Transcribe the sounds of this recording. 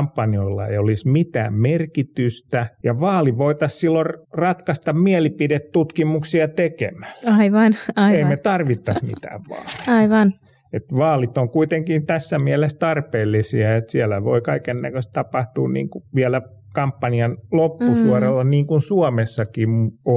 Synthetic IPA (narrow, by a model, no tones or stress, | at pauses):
mpːɑnioilːɑ̰ḛiolismit̪æ̰ːmmerkit̪yst̪æjɑʋɑːliʋoit̪ɑssilːorrɑt̪kɑst̪ɑmmiælipidet̪t̪ut̪kimuksiɑt̪ekḛmæ̥ɑiʋɑnɑieimmet̪ɑrʋit̪ːɑsmḭt̪æ̰ːʋʋɑ̰ːli̥ɑiʋɑn | et̪ʋɑːlit̪oŋkuit̪eŋkint̪æsːæmiælest̪ɑrpeːlːisiɑet̪siælæʋo̰ikɑikenːækøst̪t̪ɑpɑht̪uːnnḭːŋkuʋiælæ | kɑmpːɑniɑnlopːusuɔrelːɑniːŋkunsuɔmesːɑkimo